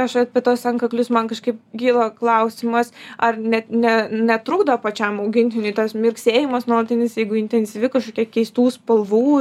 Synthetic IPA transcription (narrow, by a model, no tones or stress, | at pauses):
ɐʃɐpʲit̪oːsɐŋkɐklʲʊsmɐnkɐʃkɐɪp̚ɡʲiːlˠoklˠɐʊsʲimɐsɐrnʲɛt̪nʲɛnʲɛt̪ɾʊɡd̪ɐpɐt͡ʃʲɛmɐʊɡʲɪnʲt̪ʲɪnʲʊɪt̪ɐsmʲɪrksʲeːjɪmɐsnoːlˠɐt̪ʲɪnʲɪsjɛɪɡʊɪnʲt̪ʲɛnʲsʲiʋʲɪkɐʃkoːkʲiɛkʲɛɪst̪uːspɐlˠʋuː